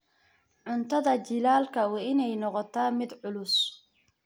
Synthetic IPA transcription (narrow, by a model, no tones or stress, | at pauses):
ʕʊnt̪ʰɐðɐt͡ʃɪlaːlkʰɐwɑɪnɛjnɔqɔt̪ʰaːmɪd̪ʕʊlʊs